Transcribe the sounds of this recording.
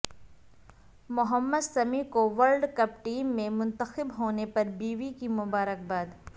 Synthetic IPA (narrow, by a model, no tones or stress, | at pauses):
mʊɦəmːəd̪sɐmikoʋəɾlɖkɐp̚ʈiːmːẽmʊ̃nt̪əxɪbɦoːnepɐɾbiːʋikimʊbaːɾək̚baːd̪